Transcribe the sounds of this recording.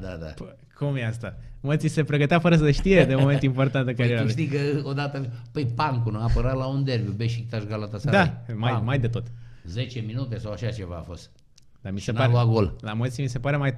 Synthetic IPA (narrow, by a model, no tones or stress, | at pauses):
d̪ad̪a̰p | kʰumjeast̪amət̪sise̞pɾe̞ɡət̪eafəɾəs̬əeʃt̪ije̞d̪emo̞me̞nt̪impo̞rt̪ant̪ɨŋkəɾieɾauʃt̪ijkəod̪at̪əpəjpaŋkunaːpəɾat̪laund̪erbjubeʃik̚t̪aʃɡalat̪asad̪amajmajd̪e̞t̪o̞t̪ze̞t͡ʃeminut̪e̞sawaʃat͡ʃe̞vaːfo̞st̪ | d̪amisenpaɾlluaɡo̞llamət̪simise̞paɾe̞maj